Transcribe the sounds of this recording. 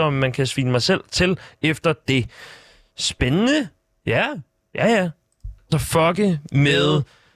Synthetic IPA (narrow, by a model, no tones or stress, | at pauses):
ɒɒmːænkʰæsʋiːnəmɑ̈ɪsel̰t͡sʰe̝lefd̥ɐd̥e̝ | sb̥enənə | jæ | jæjæ | ɒ̽fɒɡ̥əmeðˠ